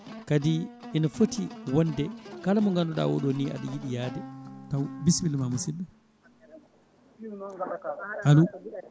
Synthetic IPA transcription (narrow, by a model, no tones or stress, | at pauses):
kadi | inafotiwɔndɛkalamɔŋɡanɔɗa̰wɔ̰ɗoniʔa̰ɗɔjiɗijaːdɛtawbisbilmamusinɗɛ | ʔalu